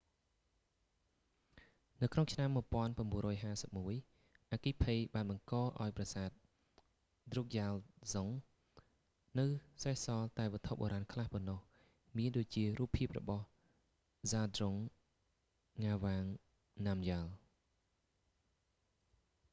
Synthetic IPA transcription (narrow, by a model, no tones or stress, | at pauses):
nɨwkʰnoŋt͡ɕʰnamːuəjpŏənpramɓuənrɔːjɦaːsəp̚muəj | ʔakiːpʰejɓaːnɓɑŋkɑːʔaɔjprɑsaːt̪̚ | d̪ruk̚jalzoŋ | nɨwsahsɑːlt̪aɛʋɔət̪ʰoʔ̚ɓo̰ːɾaːnkʰlahpɔnːɑh | miənɗoːc̚t͡ɕiəruːpʰːiəp̚rɔ̰ɓɑh | zaːd̪roŋ | aːʋaːŋ | namjaːl